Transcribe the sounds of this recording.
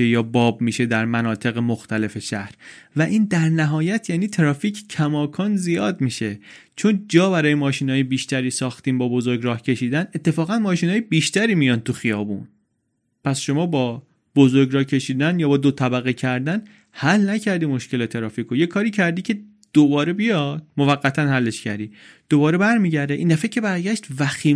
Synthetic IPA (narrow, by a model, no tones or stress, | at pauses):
ejɒːbɒːbmiːʃe̞d̪æɾmænɒːt̪ʰe̞ɣemoxt̪ʰæle̞fe̞ʃæhɾvæʔiːnd̪æɾnæɦɒːjæt̪ʰjæːniːt̪ʰeɾɒːfiːcʰcʰæmɒːkʰɒːnzijɒːd̪miːʃe̞t͡ʃʰo̞nd͡ʒɒːbæɾɒːjemɒːʃiːnhɒːjebiːʃt̪æɾiːsɒːxt̪iːmbɒːbo̞zo̞ɾɡɾɒːhcʰe̞ʃiːd̪æne̞t̪ʰːe̞fɒːɣænmɒːʃiːnɒːjebiːʃt̪æɾiːmijɒːnt̪ʰuxijɒːbṵn | pʰæsʃo̞mɒːbɒː | b̥ozoɾɡɾɒːcʰe̞ʃiːd̪ænjɒːbɒːd̪ot̪ʰæbæɣecʰæɾd̪æn | hælnæcʰæɾd̪iːmo̞ʃce̞lɒt̪ʰeɾɒːfiːkʰojekʰɒːɾiːcʰæɾd̪iːcʰe̞ | d̪̥obɒːɾe̞bijɒd̪̥̚mo̞væɣːæt̪ʰænhælːe̞ʃcʰæ̰ɾd̪iːd̪̥obɒːɾe̞bæɾmiːɟæɾd̪eʔiːnd̪æfæcʰe̞bæɾɟæʃt̪væxiː